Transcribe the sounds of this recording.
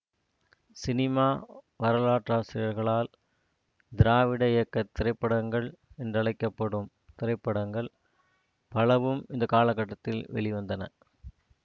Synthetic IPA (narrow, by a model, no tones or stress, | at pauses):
sɪnɪmaː | ʋɐɾɐlaːʈraːsɪɾɪjɐɾɣɐɭaːl | d̪ɪɾaːʋɪɽɐɪjɐkːɐt̪ːɪɾɐɪpːɐɽɐŋɡɐɭɛndrɐɭɐɪkːɐpːɐɽɯm | t̪ɪɾɐɪpːɐɽɐŋɡɐɭ | pɐlɐʋɯmɪnd̪ɐkaːlɐkːɐʈːɐt̪ːɪlʋɛ̰ɭɪʋɐnd̪ɐnɐ̰